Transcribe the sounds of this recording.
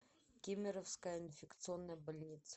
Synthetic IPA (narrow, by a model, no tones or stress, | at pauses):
kʲemʲɪɾəfskəjinfʲɪkt̪sɨonːəjbɐlʲnʲit̪s